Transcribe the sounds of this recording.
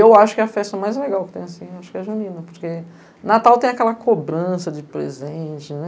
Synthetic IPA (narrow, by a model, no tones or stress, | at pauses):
ewaʃʊ̥kɛɐfɛst̪ɐmajzleɡawkɪ̥t̪ẽj̃asĩaʃʊ̥kɪɛʒunĩnɐpoɾke | nat̪awt̪ẽj̃akɛlɐkʰobɾɐ̃sɐd͡ʒɪpɾḛzẽt͡ʃɪnɛ